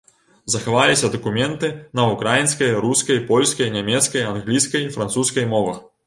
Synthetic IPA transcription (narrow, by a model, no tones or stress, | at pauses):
zɐxavalʲisʲɐd̪ɐkumʲɛnt̪ɨnɐukɾajinskɐjɐɾuskɐjpɔlʲskɐjnʲamʲɛt̪skɐjanɣlʲijskɐjifɾant̪suskɐjmɔvɐx